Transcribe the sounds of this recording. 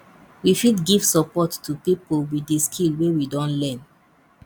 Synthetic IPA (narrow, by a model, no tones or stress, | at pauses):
wifidɡiv̥sɔpɔttupipolwieskʰilwewidɔ̃nlɛ̃n